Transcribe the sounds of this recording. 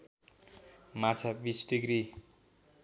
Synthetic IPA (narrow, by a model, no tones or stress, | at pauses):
mat͡sʰabisʈiɡɾi